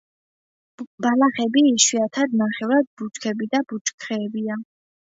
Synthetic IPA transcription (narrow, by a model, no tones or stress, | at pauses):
balaχɛbiːʃwiat̪ʰad̪naχɛvɾad̪̚but͡ʃkʰɛbid̪abut͡ʃkʰɾɛːbia